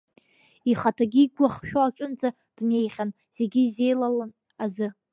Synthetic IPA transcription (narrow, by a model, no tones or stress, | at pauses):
iχatʰaɡʲiɡʷaχʃᶣoat͡ʃʷʼʊnd͡zʼa | d̥ne̞jχʲan | z̥e̞ɡʲize̞jlalan | azɨ